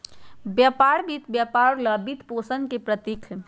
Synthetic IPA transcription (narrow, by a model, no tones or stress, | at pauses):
bjəpaːɾbit̪bjapaːɾləbit̪poːsənkepɾət̪ikʰ